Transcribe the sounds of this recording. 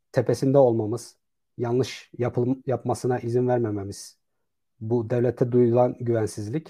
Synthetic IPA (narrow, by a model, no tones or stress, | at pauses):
t̪ʰepʰesind̪ɛo̞lˠmamɯz̥ | janlˠɯʃjjapmasɯnaʔizinvæɾmememiz̥ | bud̪evlʲɛt̪ʰɛd̪ujd̪ulˠanɟyvænsizlʲic